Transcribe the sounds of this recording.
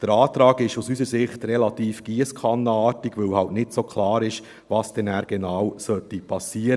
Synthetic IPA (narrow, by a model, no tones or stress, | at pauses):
d̥əɾɑːt̪ɾɑːɡɪʃusysəɾsɪχtrɛlɑt̪iːfɡ̥iəskʰɑnːɑːtiɡʋɵwhɑltnɪtsokʰlɑːɾɪʃ | vɑːsd̥ɛnæːɾɡ̥ɛnɑːwsœtːipʰɑsːiːəɾ